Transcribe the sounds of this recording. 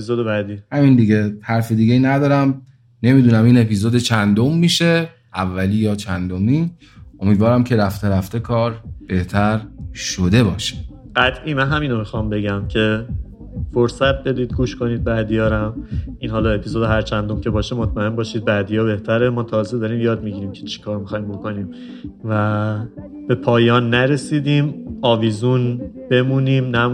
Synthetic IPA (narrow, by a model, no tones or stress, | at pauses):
epʰizod̪ebæd̪iːhæmind̪iɡe̞hæɾfid̪iːɡejiːnæd̪ɒːɾæm | ne̞miːd̪uːnæmiːne̞pʰizoːd̪et͡ʃʰænd̪omːiːʃe̞ | ʔævːæliːjɒːt͡ʃʰænd̪omiː | omiːd̪vɒːɾæmcʰe̞ɾæft̪eɾæft̪e̞kʰɒːɾb̥e̞ht̪ʰæɾʃod̪e̞bɒːʃi̥ | ɢæt̪ʰʔiːmænɦæmiːnomixɒmbe̞ɟæmcʰe̞ | foɾsæt̪̚be̞d̪iːd̪̚ɡuːʃko̞niːd̪̚bæd̪ijɒːɾæmʔiːnɦɒːlɒe̞pʰizod̪eɦæɾt͡ʃʰænd̪o̞mcʰe̞bɒːʃemot̪ʰmæembɒːʃiːd̪̚bæd̪ijɒːbe̞ht̪ʰæɾemɒːt̪ʰɒːzed̪ɒɾiːmjɒːd̪miɟiːɾiːmcʰe̞t͡ʃʰi̥kʰɒːɾmixɒːjimbo̞ko̞niːm | væ | b̥e̞pʰɒːjɒːnːæɾe̞siːd̪iːmɒːviːzunb̥e̞muːniːmnæm